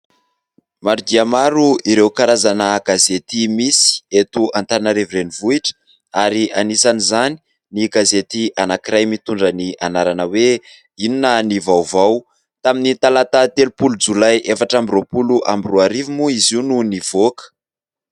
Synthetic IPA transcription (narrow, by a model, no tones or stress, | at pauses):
maɾud̪iamaɾuiɾewkaɾazanəɡazet̪imisi̥et̪uant̪aɾanəɾeviɾenivuiʈ͡ʂə̥ | aɾianisanizani | niɡazet̪iʔanakiɾajmit̪uɳɖ͡ʐənianaɾanəwe | ininənivawvaw | t̪aminit̪alat̪at̪elupulud͡zulajʔefaʈ͡ʂambiropuluʔa̰mbiroaɾivimuiziununivokə̥